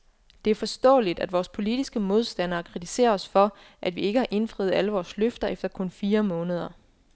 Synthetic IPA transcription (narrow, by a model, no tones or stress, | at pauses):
d̥e̝æɐfɒ̽sd̥ɔ̰̽ːlid̥æd̥ʋɒːspʰo̝lid̥isɡ̥əmo̝ð̞ˠsd̥æn̰ɐːkʰʁidʰi̥se̝̰ːɐɒ̽sfɒ̽ | ʔæd̥ʋie̝ɡ̥əhɑ̈ʔe̝nfʁḭð̩ˠæləʋɒːsløfd̥ɐʔefd̥ɐkʰɔ̽nfiːɐmɔ̽ːnəð̞ˠɐ